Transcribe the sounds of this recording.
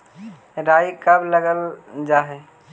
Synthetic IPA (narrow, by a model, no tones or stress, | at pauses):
ɾajkəbləɡəld͡ʒaɦe